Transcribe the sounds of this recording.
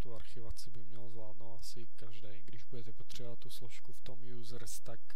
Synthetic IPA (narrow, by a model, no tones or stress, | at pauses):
t̪uaɾxɪvat͡sɪbɪmɲɛlzvlaːd̪nowt̪asɪkaʒdɛjɡdɪʒbudɛt̪ɛpot̪r̝̥ɛbovat̪ːuslɔʃkuft̪omjuːzɾst̪ak